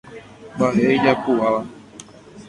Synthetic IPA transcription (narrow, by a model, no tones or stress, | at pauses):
baɦeid͡ʒakuʔaʋa